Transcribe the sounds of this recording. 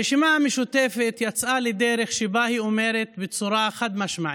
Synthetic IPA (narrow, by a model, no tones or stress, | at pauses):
ɪʃɪmaːmɪʃʊt̪eːfɪt̪jat͡sʔaːlɪd̪eːɾɪxʃɪbaːhiʔʊmeːɾet̪bɪt͡suɾˤaxad̪maʃmaʕ